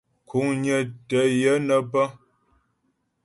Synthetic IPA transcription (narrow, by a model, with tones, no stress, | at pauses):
kʰu˨˦ŋɲə˨tə˨˦jə˦nə˨bə˦